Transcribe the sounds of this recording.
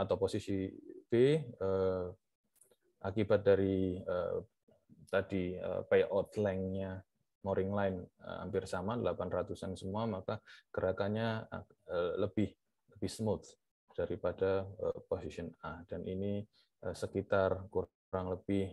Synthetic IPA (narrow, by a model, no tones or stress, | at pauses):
at̪awposisib̥eə | ʔakibat̪̚daɾiə̰ | t̪adiə̰peʔɔt̪lɛŋɲa | moɾɪŋlaɪnə̰ha̰mpɪrsamadəlapanrat̪usansəmuamakaɡ̥əɾakanɲaələbɪh | ləbɪhsəmʊt̪ | d̥aɾipadaəposisiənad̥anʔini | əsəkit̪arkuɾ | ɾaŋləb̥ɪh